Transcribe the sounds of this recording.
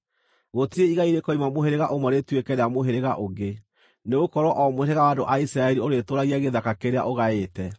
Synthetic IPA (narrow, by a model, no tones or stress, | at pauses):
ɣotiɾeiɣaiɾekɔimamoɦeɾeɣaʔomwɔɾetwekɛɾeamoɦeɾeɣaʔoɣɡe | neɣokɔɾwɔʔɔmoɾeɣawadoʔaisɾaɛɾioɾetoɾaɣiaɣeðakakeɾea̰ʔoɣaetɛ